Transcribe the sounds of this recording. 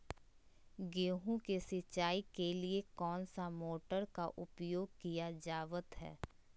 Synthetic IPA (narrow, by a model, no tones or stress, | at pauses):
ɡeːɦũkesɪt͡ʃːaːikeliekɔːnsamoːʈəɾkaʔʊpjoːɡ̚kijad͡ʒaːʋət̪ɦɛ̰ː